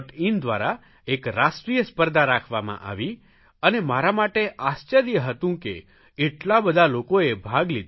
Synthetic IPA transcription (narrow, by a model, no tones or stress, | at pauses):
ʈind̪ʋa̰ɾa | ekɾasʈɾijəspəɾd̪aɾakʰʋamã̰ʔa̰ʋi | ənemaɾamaʈeʔast͡ʃəɾijəɦət̪ũkeː | ʈlabəd̪ʱalokoebʱaɡlid̪